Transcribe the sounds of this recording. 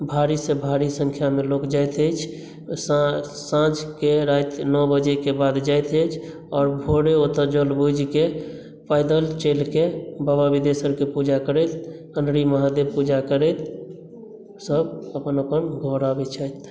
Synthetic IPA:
bʱaɾisebʱaɾisə̃ŋkʰjamelokd͡ʒajt̪əjt͡ʃʰ | s | sãd͡ʒkeɾajt̪nɔbəd͡ʒekebad̪d͡ʒaet̪ət͡ʃʰ | ɔːɾbʱoɽeot̪əɾd͡ʒəlbud͡ʒke | paɪd̪əlt͡ʃelkebababid̪esəɾkepud͡ʒakəɾɛt̪ | ənɾiməɦad̪eb̚pud͡ʒakəɾɛt̪ | səbəpənəpənɡʱoɾabet͡ʃʰajt̪

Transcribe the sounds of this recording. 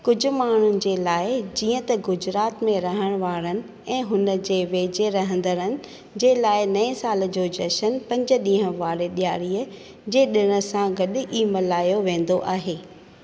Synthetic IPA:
kʊd͡ʑʱʊ̆maːɳ̤ʊnɪ̆d͡ʑeːlaːɪd͡ʑiːə̃t̪ɐɡʊd͡ʑɾaːt̪mẽɾɐɦəɽ̃ʋaːɾənɪ̆ | ɛ̃ːɦʊnəd͡ʑeːʋeːd͡ʑeɾɐɦə̃n̆d̪əɾənɪ̆ | d͡ʑeːlaːɪnɐĩsaːl̆d͡ʑoːd͡ʑɐʃənpɐ̃ɲd͡ʑʊ̆ɗĩːɦə̃ʋaːɾeɗijaːɾiːə | d͡ʑeːɗɪɽ̃ə̆sãɡɐɗʔiːmɐlaːjoʋẽːn̆d̪oʔaːɦeː

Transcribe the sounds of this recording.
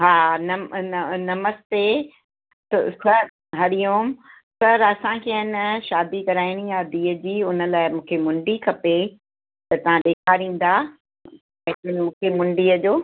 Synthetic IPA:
ɦaːnɐmnɐməst̪e | t̪sɐɾ | ɦɐɾijoːm | sɐɾɐsãkʰeɦɪnʃaːd̪ikɐɾaːɪɽ̃ijaːd̪iːəd͡ʑiːʊnə̆laːɪmũːkʰemʊ̃ɳɖikʰɐpe | t̪ɐt̪ɐʋ̤ãɗeːkʰaːɾĩːn̆d̪ãː | ɪnmũːkʰemʊ̃ɳɖiːəd͡ʑoː

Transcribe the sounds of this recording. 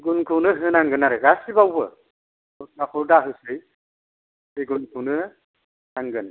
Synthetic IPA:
ɡunkʰɯnɯɦɯnaŋɡɯnaɾɯɡasibawbɯ̰ | akʰɔɾdaɦɯsɯj | eɡunkʰunɯ | naŋɡɯn

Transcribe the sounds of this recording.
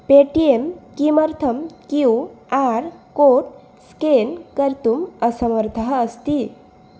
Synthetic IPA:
peʈiemkiməɾt̪ʰəmkiwaɾkoʈ | skenkəɾt̪uməsəməɾt̪ʰəɦəst̪i

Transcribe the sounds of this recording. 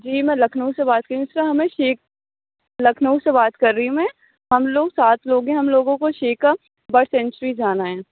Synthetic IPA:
d͡ʒiːmɛ̃ːlɐkʰnəusebaːt̪̚kɐɾĩɪsɾaɦɐmẽʃeːk̚ | lɐkʰnəusebaːt̪kɐɾːĩmẽ | ɦɐmloːɡsaːt̪ʰloːɡẽɦɐmloːɡõkoʃeːka | bɐɽsɛ̃ːnt͡ʃəɾid͡ʒaːnaɦɛ̃ː

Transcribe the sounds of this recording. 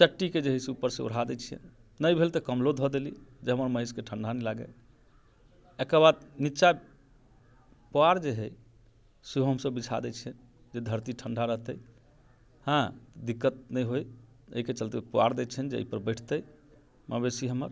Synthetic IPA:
t͡ʃəʈːiked͡ʒeɦisupəɾsẽṵɽ̤ad̪ɛt͡ʃʰiə̰n | nəjbʱelt̪əkəmlod̪ʱɦɔd̪eli | d͡ʒeɦəməɾməɦəskeʈʰəɳɖʱanɛlaɡḛ | ekəbad̪nitːt͡ʃa | poaɾd͡ʒeɦɛj | seɦoɦəmsəbːit͡ʃʰa̰d̪ɛt͡ʃʰiən | d͡ʒed̪ʱəɾt̪iʈʰəɳɖʱaɾəɦt̪əj | hãd̪ikːət̪̚nəjɦoj | ə̰iket͡ʃəlt̪epoa̰ɾd̪ɛt͡ʃʰənd͡ʒeə̰ipəɾbəʈʰt̪əj | məbesiɦəməɾ

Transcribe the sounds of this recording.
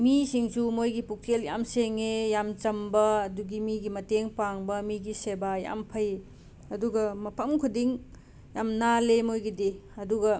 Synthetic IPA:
misiŋsumojɡipuk̚tʰelja̰mseŋejamt͡ʃɐmbɐɐduɡimiɡimɐteŋpaŋbɐmiɡisebaja̰mpʰɐj | ɐduɡɐmɐpʰɐmkʰudiŋ | jamnalemojɡidiɐduɡɐ

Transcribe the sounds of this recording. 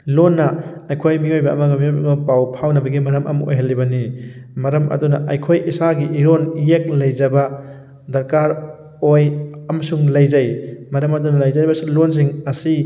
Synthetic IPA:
lonːɐɐjkʰojmiojbɐːmɐɡɐmiojbamɐpawpʰawnɐbɐɡimɐɾɐmɐ̰mo̰jɦɐlːibɐnimɐɾɐmɐ̰dunɐʔɐjkʰojʔisaɡiʔiɾonjek̚lɐjzɐbɐ | d̪ɐɾkaɾ | ojɐmɐsuŋlɐjzajmɐɾɐmɐdunɐlɐjzaɾibɐsulons̬iŋɐsi

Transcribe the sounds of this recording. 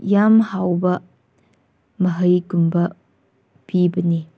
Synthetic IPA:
jamhawbɐ | mɐɦəjɡumbɐ | pibɐni

